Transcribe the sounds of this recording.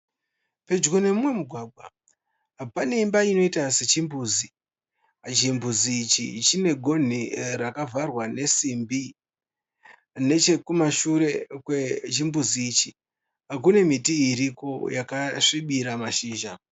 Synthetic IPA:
pe̞d͡ʒɡone̞mumwe̞muɡʱwaːɡʱwa | pane̞imbaino̞itaset͡ʃimbuːzi | d͡ʒimbuziːt͡ʃḭt͡ʃine̞ɡʱo̞n̤irakavʱarwane̞simbi | ne̞t͡ʃe̞kumaʃuɾe̞kwet͡ʃimbuziːt͡ʃi | ak̬une̞mitiiɾiko̞jakaʂiɓiɾamaʃiːʒa

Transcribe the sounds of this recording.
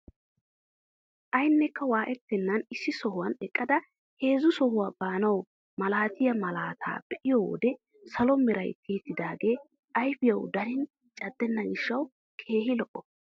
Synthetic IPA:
ʔɐjnːɛkːɐwaːʔɛt̪ːɛnːɐnɪsːɪsɔhʊwɐnɛkʼːɐd̪ɐ | he̞ːzʊsɔhʊwaːb̥aːnɐw | mɐlaːt̪ɪjɐmɐlaːt̪ʰa̰ːb̥ɛʔɪjɔwo̰ːd̪ɛ | sɐlɔmɛɾɐ̰jk̪ʰːiːt̪ːɪd̪aːɡe̞ː | ʔɐjfɪjɐwd̪ɐɾɪn | t͡ʃʼɐd̪ːɛnːɐɡɪʃːɐw | kʰe̞ːhɪlɔʔːɔ

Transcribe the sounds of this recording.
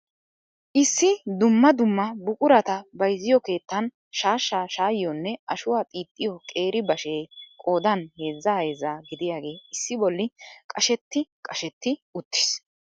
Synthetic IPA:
ʔɪsːɪd̪ʊmːɐd̪ʊmːɐbʊkʼʊɾɐt̪ɐbɐjzɪjɔke̞ːt̪ːɐn | ʃaːʃːaːʃaːjɪjɔnːɛʔɐʃʊwaːt̪ʼiːt̪ʼːɪjɔkʼe̞ːɾɪbɐʃeːkʼo̞ːd̪ɐnhe̞ːzːɐeːzaːɡɪd̪ɪjaːɡe̞ːɪsːɪbɔlːɪkʼɐʃɛt̪ːɪkʼɐʃɛt̪ːɪʊt̪ːɪ̥s

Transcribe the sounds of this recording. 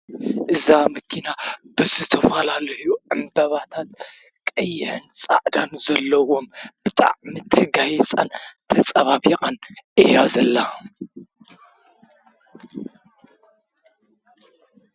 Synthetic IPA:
ʔɨzamɐkʰinab̥ɨzɨt̪ʰɐfɐlalɐhjuʕɨmbɐβat̪ʰat̪ | kʼɐjːɪħɨnt͡sʼa̰ʕd̪anzɐlːɐwo̞mb̥ɨt̪ʼa̰ʕmit̪ʰɨɡajt͡sʼa̰nt̪ʰɐt͡sʼɐβaβiqʼanʔɨjazɐlːa

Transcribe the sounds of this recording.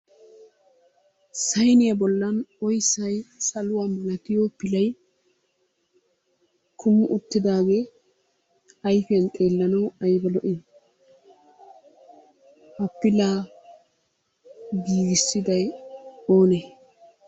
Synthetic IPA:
sɐjnɪjɐbɔlːɐnɔjsːɐjsɐlʊwamɐlɐt̪ɪjoːpɪlɐj | kʰʊmːʊʔʊt̪ːɪd̪aːɡe | ɐjfɪɐnt̪ʼe̞ːlːɐnɐwɐjbɛlɔʔɪ | hɐpːɪlaː | ɡiːɡɪsːɪd̪ɐjoːne

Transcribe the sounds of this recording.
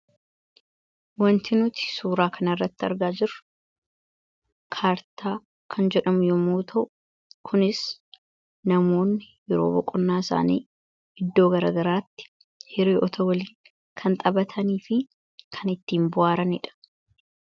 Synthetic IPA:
wɐnt̪ɪnʊt̪ɪ̥suːɾaːkʰɐnɐrːɐt̪ːɪɐ̰ɾɡaːd͡ʒɪɾʊ̥ | kʰaːɾt̪ʰaː | kʰɐnd͡ʒɛᶑɐmʊjʊmuːt̪ʰɐʔʊ̥ | kʰʊnɪs | nɐmo̞ːnːɪjɛɾo̞̰ːbɔkʼʊnːaːɪsa̰ːnḭː | ʔɪd̪ːoːɡɐɾa̰ːɡɐɾaːt̪ːɪ̥ | hɪɾiːʔɔt̪ʰɔwɐliːn | kʰɐnt̪ʼɐbɐt̪ʰɐniːfɪ | kʰɐnɪt̪ːiːmbʊʔaːɾɐnɪᶑɐ̥

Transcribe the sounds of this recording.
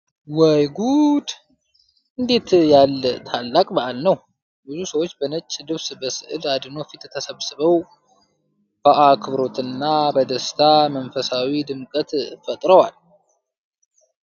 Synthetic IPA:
wəjɡud̪ | ɨnd̪e̞t̪jalːt̪ʰalːakʼbəʔalnəw | bɨzusəwot͡ʃːbənət͡ʃʼːlɨβsbəsɨʔɨlad̪ɨno̞fit̪t̪ʰəsəβsɨβəw | b̥əʔakʰɨβɾo̞t̪ɨnːabəd̪əst̪ʰamənfəsawid̪ɨmkʼət̪fət̪ʼɾəwal

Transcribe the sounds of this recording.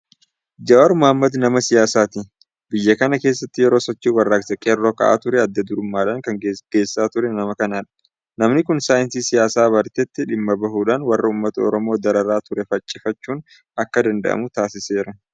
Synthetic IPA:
d͡ʒɐwaːɾmʊhɐmːɐd̪nɐmɐsɪjaːsaːt̪ɪ | bɪjːɐkɐnɐke̞ːs̬ːɐt̪ːɪjɛɾo̞ːsɔt͡ʃːiːwɐrːaːɡsɐkʼeːrːoːkɐ̰ʔa̰ːt̪ʊɾɛɐd̪ːɐd̪ʊɾʊmːaːᶑaːŋkɐŋɡ̥e̞ːsːaːt̪ʊɾɛnɐmɐkɐnaːᶑɐ̥ | nɐmnɪkʊnsaːjɪnsiːsɪjaːsaːβɐɾt̪ɛt̪ːɪᶑɪmːɐbɐɦuːᶑaːnwɐrːɐuːmːɐt̪ɐɔ̰ɾɔmoːd̪ɐɾɐɾaːt̪ʊɾɛfɐt͡ʃʼːɪfɐt͡ʃːuːn | ɐkːɐd̪ɐnd̪ɐ̰ʔɐ̰mʊt̪aːsɪse̞ːɾɐ

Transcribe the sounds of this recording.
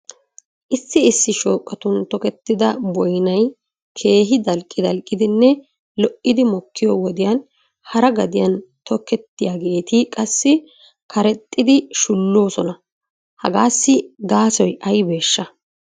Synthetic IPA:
ʔɪsːɪɪsːɪʃo̞ːkʼːɐt̪ʊnt̪ɔkɛt̪ːɪd̪ɐbɔjnɐj | kʰe̞ːɦɪd̪ɐlkʼːɪd̪ɐlkʼːɪd̪ɪnːɛ | lɔʔɪd̪ɪmɔkʰːɪjɔwɔd̪ɪjɐn | hɐɾɐɡɐd̪ɪjɐnt̪ɔkːɛt̪ːɪjaɡe̞ːt̪ɪkʼɐsːɪ | kʰɐɾɛt̪ʼːɪd̪ɪʃʊlːo̞ːsɔnɐ | hɐ̰ɡaːsːɪɡaːsɔjʔɐjbe̞ːʃːɐ

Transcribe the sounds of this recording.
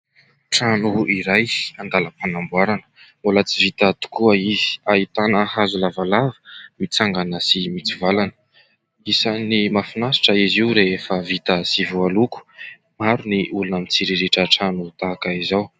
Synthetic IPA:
ʈ͡ʂanuiɾajand̪aləpanambuaɾanə̥ | molat͡sivit̪at̪u̥kuəiz̥ait̪anəhazulavalavə̥mit͡saŋɡanəsimit͡sivalanə̥ | isanimafinasi̥ʈ͡ʂəiziuɾefəvit̪əsivualuku̥ | maɾuniʔulunamit͡siɾiɾiʈ͡ʂəʈ͡ʂanut̪aːkaizaw

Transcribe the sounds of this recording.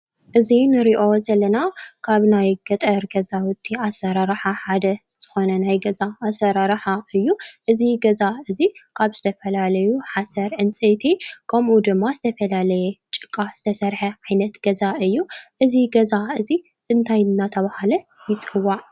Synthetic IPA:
ʔɨzinɨɾiʔo̞zɐlːɐnakʰaβnajɡɐt̪ʼɐɾɡɐzawʊt̪ʰːiasɐɾaɾħaħad̪ɐ | z̥ɨxo̞nɐnajɡɐzaːsɐɾaɾħaɨjːuʔɨziɡɐzaɨzikʰaβz̥ɨt̪ʰɐfɐlalɐjuħasɐɾʕɨnt͡sʼet̪ʰikʰɐmʔud̪ɨmːazɨt̪ʰɐfɐlalɐjɛt͡ʃʼɨkʼːaz̥ɨt̪ʰɐsɐɾħɐʕajnɐt̪ɡ̥ɐzaɨjːuʔɨziɡɐzaɨzi | ɨnt̪ʰajɨnːat̪ʰɐβahalɐ | jɪt͡sʼɨwːaʕ

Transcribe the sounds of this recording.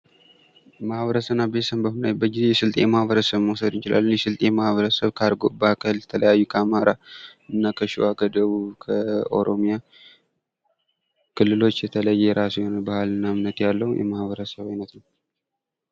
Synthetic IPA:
mahβəɾəsəβnːabesəmbəhnajbəɡɪzejɛsɨlt̪ʼejɛmahβəɾəsəβmosəd̪jɪt͡ʃɪla̰lːənjɛsɨlt̪ʼeɛmahβəɾəsəβkʰaɾɡobəakʰaljɛt̪ʰələjajːukʰəamaɾaɨnːakʰəʃɪwakʰəd̪əβuβkʰəo̞̰ɾo̞mija | kʰɨlːɨlo̞t͡ʃːjɛt̪ʰələjːɛɾasujonalbahalɨnːamnət̪jalːəhujʔɛ̰mahβəɾəsəβajnət̪nəw

